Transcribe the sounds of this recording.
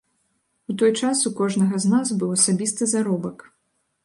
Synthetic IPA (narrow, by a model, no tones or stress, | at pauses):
ut̪ɔjt͡ʂasukɔʐnɐɣɐznazbɨwɐsabʲist̪ɨzaɾɔbɐk